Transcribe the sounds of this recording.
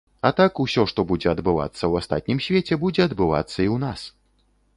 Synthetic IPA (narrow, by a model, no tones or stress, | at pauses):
ɐt̪akusʲɔʂt̪ɔbud͡zʲɛɐd̪bɨva̰t̪sːɐwast̪a̰t̪̚ʲnʲimsʲvʲet͡sʲɛbud͡zʲɛɐd̪bɨva̰t̪sːɐiwn̪as